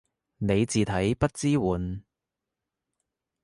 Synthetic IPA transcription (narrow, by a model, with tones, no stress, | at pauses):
ne˨˧jt͡siː˨t̪ʰɐ˨˥jpɐ˥t̚t͡siː˥wuː˨˥n